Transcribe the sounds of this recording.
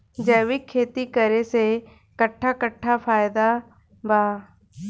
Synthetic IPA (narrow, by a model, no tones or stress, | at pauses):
d͡ʒɛːʋɪkʰːeːt̪ikəɾese | kəʈʰːakəʈʰːafʰaːjd̪a | bʱaː